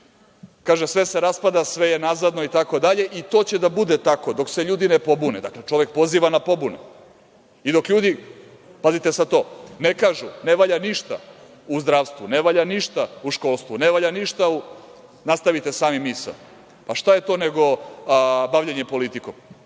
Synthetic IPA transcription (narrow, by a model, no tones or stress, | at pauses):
kaːʒesʋe̞seɾaspad̪asʋe̞jenazad̪no̞it̪ako̞d̪aʎe̞ʔit̪o̞ːt͡ɕe̞d̪abud̪et̪akod̪o̞kse̞ʎuːd̪inepo̞buned̪a̰klet͡ʃo̞ʋek̚po̞ziːʋanapo̞bunḛ | id̪o̞kʎuːd̪i | pazit̪esat̪o̞ːnekaːʒune̞ʋaʎaniʃt̪a̰ | uzd̪ɾaːʋst̪vʋune̞ʋaʎaniʃt̪auʃko̞lˠst̪ʋuneʋaʎaniʃt̪au | nast̪aʋit̪esaːmimːisa̰ | paʃt̪aje̞t̪o̞ːneɡo̞ | baʋʎeɲepo̞lit̪ikom